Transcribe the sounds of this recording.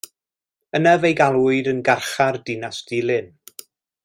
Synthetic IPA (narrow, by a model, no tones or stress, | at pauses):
ənavejɡalˠwʊɨdənɡarχardɪnasd̥ɪlˠɪn